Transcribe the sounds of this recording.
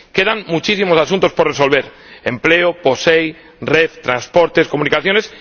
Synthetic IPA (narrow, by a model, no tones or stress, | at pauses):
keðaŋmut͡ʃisimo̞sasũnt̪o̞sporeso̞lβ̞e̞ɾ | empleoposej | reθt̪ɾanspoɾt̪e̞skomũnikaθjo̞nes